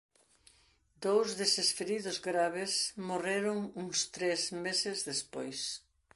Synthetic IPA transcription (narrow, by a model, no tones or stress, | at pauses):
d̪owzðesesfeɾiðʊzɣɾaβɪsmoreɾʊŋuŋst̪ɾezmesɪzðespojs